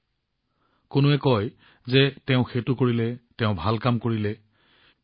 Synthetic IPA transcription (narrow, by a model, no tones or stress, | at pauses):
kʊnʊɛkɔj | zɛtɛʊ̃xetʊkoɹilɛtɛʊ̃bʱalkamkoɹilɛ